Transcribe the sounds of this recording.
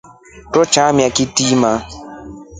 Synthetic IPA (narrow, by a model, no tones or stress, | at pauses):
tɔt͡ʃãmĩakitimã